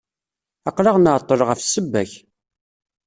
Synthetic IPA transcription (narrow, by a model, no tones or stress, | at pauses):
ɑqlɑʁnəʕt̪ˤːəɾˤʁəfsəbːæç